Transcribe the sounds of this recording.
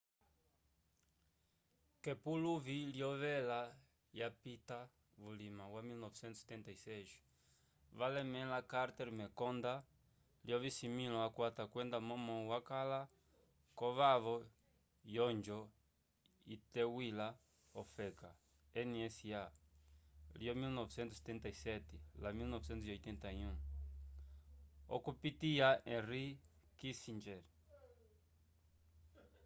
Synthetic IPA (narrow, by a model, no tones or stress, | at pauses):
kɛpuluviljɔvɛla | japit̪a | vulimawamilnɔvɛt͡ʃɛnt̪usɛ̥t̪ːɛnt̪aisɛʒi | valɛmɛ̃lakaɾt̪ɛɾmɛkɔnd̪a | ljɔvisimĩlɔakwat̪akwɛnd̪amɔmɔwakala | kɔβavɔ | jɔnd͡ʒɔ | it̪ɛwila | ɔfɛka | ɛniɛsia | ljɔmilnɔvsɛnt̪usɛ̥t̪ɛnt̪aisɛt̪ɛlamilnɔvsɛnt̪uɔjt̪ɛnt̪aiũ | ɔ̰kupit̪iaʔɛ̃rikisind͡ʒɛɾ